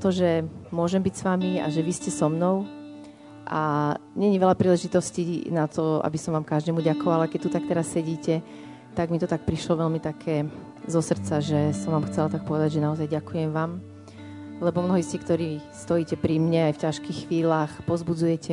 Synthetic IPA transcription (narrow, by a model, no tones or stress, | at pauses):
t̪ɔʒɛmʊɔʒɛmbicsʋamia̰ʒɛʋiscɛsɔmnɔʊ | ʔaɲɛɲiʋɛlapɾiːlɛʒit̪ɔscinat̪ɔa̰bisɔmʋaːmkaʒd̪ɛmuɟakɔʋalakɛc̚t̪ut̪ak̚t̪ɛɾasːɛɟiːcɛ | t̪aɡmit̪ɔt̪ak̚pɾiʃlɔʋɛlmit̪akʰɛː | zɔsr̩t͡saʒɛsɔmʋaːmxt͡sɛlat̪ak̚pɔʋɛd̪aɟʒɛnaɔzajɟakujɛmʋaːm | lɛbɔmnɔɦɔisc̪ikt̪ɔɾiːst̪ɔjiːcɛpɾimɲɛajfcaʃkiːxxːʋiːlaːxpɔzbud͡zujɛcɛ